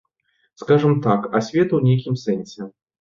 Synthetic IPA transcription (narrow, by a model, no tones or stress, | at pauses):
skaʐɨmt̪akɐsʲvʲɛt̪wnʲejkʲimsɛnʲsʲɛ